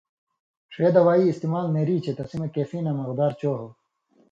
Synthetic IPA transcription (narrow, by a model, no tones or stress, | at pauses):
ʂeːd̪ɐwaːiːst̪imaːlmeːɾiːt͡ɕʰet̪ɐsimɐkeːfiːnɐmɐɣd̪aːɾt͡ɕoːɦo